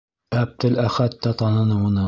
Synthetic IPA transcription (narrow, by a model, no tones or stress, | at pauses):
æb̚t̪ɘlæχæt̪ːæt̪ɑnɤ̆nɤwɤ̆nɤ